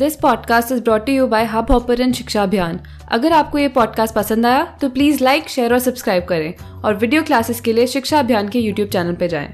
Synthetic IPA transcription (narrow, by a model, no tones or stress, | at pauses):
d̪ɪspɔːɖkaːsʈɪzbɾɔːʈːujuːbaːɪɦabʱɔːpəɾɛ̃nʃɪkʃaɐbʱjaːn | ɐ̰ɡəɾaːp̚kojepɔːɖ̚kaːsʈ̚pɐsə̃nd̪aːjat̪opliːzlaɪkʃeːəɾɔːɾsɐbskɾaːɪb̚kɐɾẽː | ɔːɾʋɪɖijoːklaːsɪzkelieʃɪkʃaɐbʱjaːnkejuːʈjuːb̚t͡ʃɛːnəlped͡ʒa̰ːḛ̃ː